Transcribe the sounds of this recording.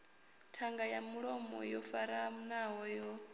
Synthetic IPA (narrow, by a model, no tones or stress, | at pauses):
tʰaŋɡajamuɺɔmɔ̰jɔfaɾamunaɦɔjɔ